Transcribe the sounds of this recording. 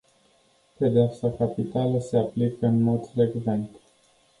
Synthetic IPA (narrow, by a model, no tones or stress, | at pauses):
ped̪eapsakapit̪aləse̞aplikəɨnmo̞d̪fɾe̞ɡve̞nt̪